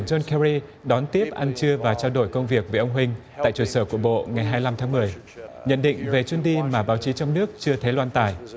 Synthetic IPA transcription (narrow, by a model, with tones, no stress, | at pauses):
nzo˧nkɛ˧ɹi˧ɗɔ˨˦nt̪i˦˥əp̚ʔa˧nt͡ɕɨ˧əvaː˨˩t͡ɕaː˧wɗo˧˩jkə˧wŋ͡mvi˨˩ək̚vəː˨˩ʔə˧wŋ͡mɦwï˧ŋ̟t̪a̰ː˧˨jt͡ɕu˧˩səː˧˩ku˧˩əɓo̰˧˨ŋa˨˩jɦaː˧jla˧mt̪ʰaː˨˦ŋmɨ˨˩əj | ɲə̰˧˨nɗḭ̈˧˨ŋ̟ve˨˩t͡ɕi˧ənɗi˧maː˨˩ɓaː˨˦wt͡ɕi˨˦t͡ɕɔ˧ŋ͡mnɨ˦˥ək̚t͡ɕɨ˧ət̪ʰe˨˦lwaː˧nt̪a̰ː˧˨j